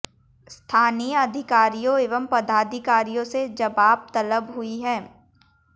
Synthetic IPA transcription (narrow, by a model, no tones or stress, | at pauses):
st̪ʰaːnijəɐd̪ʱɪkaːɾijõeːʋəmpɐd̪aːd̪ʱɪkaːɾijõsed͡ʒɐʋaːb̚t̪ɐləbɦʊiɦɛ̃ː